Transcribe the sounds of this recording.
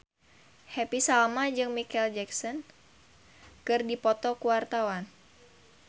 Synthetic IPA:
hɛpisalmad͡ʒɨŋmikɛld͡ʒɛksɔn | kɨrdipɔt̪ɔkuwart̪awan

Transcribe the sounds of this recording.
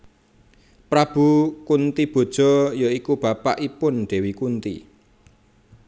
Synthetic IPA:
pɾab̥ṳkunt̪ib̥o̤d̥ʒ̥ɔ̤joikub̥ä̤pa̰ʔipʊnɖ̪̥e̤wikunt̪ḭ

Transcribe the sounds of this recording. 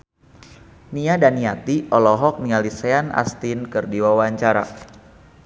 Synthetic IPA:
niadaniat̪iʔɔlɔɦɔk̚nialisɛana̰st̪inkɨrdiwawaɲt͡ʃaɾa̰

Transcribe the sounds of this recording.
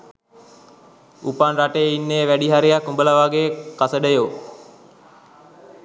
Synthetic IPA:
upanraʈejəinːejʋæɖiɦaɾejakumbələʋaːɡekasəɖəjo

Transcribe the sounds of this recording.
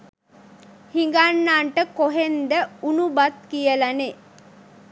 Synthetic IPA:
hiŋɡanːaːɳʈəkoɦend̪əunubat̪kijəlane

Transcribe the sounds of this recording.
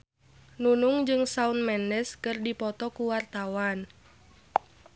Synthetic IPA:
nunʊŋd͡ʒɨŋsaunmɛndɛskɨrdipɔt̪ɔkuwart̪awan

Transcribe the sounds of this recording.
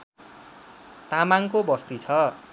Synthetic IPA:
t̪amaŋkobʌst̪it͡sʰʌ

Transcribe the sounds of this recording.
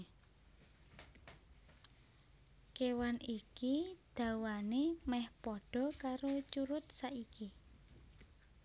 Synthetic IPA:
kewanikid̪̥a̤wanemɛhpɔɖ̥ɔ̤kaɾot͡ʃuɾʊt̪̚saʔiki

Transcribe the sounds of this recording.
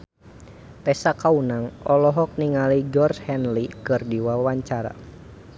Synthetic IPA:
pɛsakaunaŋɔlɔɦɔk̚niŋaliɡɔrshɛnlikɨrdiwawaɲt͡ʃaɾa̰

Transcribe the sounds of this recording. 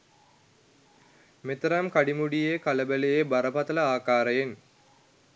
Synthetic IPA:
met̪əɾɐmkaɖimuɖijekaləbəlejebaɾəpat̪ələaːkaːɾəjen

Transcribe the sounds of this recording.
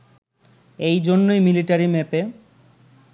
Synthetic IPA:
ejd͡ʑonːojmiliʈaɾimɛpe

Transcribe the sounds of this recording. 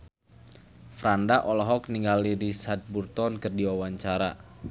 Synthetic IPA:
fɾandaʔɔlɔɦɔk̚niŋɡaliɾisat̪̚burt̪ɔnkərdiwawaɲt͡ʃaɾa̰

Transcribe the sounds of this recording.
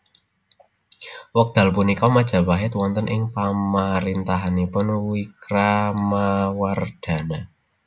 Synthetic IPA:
wɔk̚d̪̥a̤lpunikɔmad̥ʒ̥a̤waɦɪt̪wɔnt̪ənʔɪŋpamaɾint̪aɦanipʊnwikɾamaward̪̥a̤na

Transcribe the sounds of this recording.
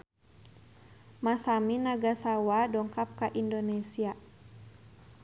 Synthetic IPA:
masaminaɡasawadɔŋkap̚kaʔindonesia

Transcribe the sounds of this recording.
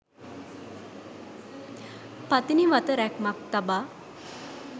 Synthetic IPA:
pat̪iniʋat̪əɾɛkmak̚t̪aba

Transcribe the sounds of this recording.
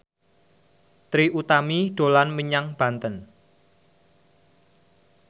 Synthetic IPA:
t̪ɾiʔut̪amiɖ̥o̤lanməɲaŋb̥ä̤nt̪ən

